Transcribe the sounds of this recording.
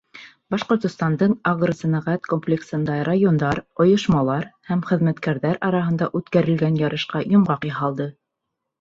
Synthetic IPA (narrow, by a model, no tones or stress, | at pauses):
bɑʃqŏɾt̪ŏst̪ɑnd̪ɤɴɑʁrosæ̆nɑʁæt̪komplʲeksɤ̆nd̪ɑrajond̪ɑɾŏjŏʃmɑlˠɑɾhæmχɘ̆ðmæt̪kæɾðæɾɑɾɑɦɤ̆nd̪ɑʔʉt̪kæɾɘ̆lɡænjɑɾɤ̆ʃqɑjŏmʁɑqjɑɦɑlˠd̪ɤ